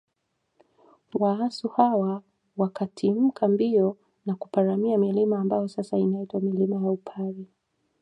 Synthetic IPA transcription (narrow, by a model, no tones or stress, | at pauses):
waasuhawa | wakatʰim̩kʰambiɔ | nakupaɾamiamilimaːmbajɔsasainaitwamilimajaupʰali